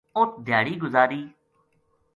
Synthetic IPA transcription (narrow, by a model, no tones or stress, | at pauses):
ʊt̪d̪ʱjaːɽiːɡʊzaːɾiː